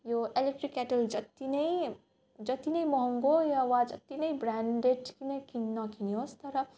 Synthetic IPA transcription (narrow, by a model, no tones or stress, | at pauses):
joelek̚ʈɾikːɛʈəld͡ʒʌt̪ːinɐi | d͡ʒʌt̪inʌimɔɦəŋɡojaʋad͡ʒɐt̪ːinʌibɾaɳɖeʈkinekinːʌkiniɦost̪ʌɾʌ